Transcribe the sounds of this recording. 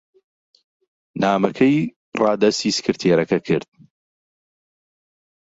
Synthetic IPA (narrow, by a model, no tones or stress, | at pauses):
naːmɐkʰɐj | rɑːd̪ɐst̪iːsɨ̥kɨɾt̪ʰeːɾɐkɐkʰɨɾd̪̥̚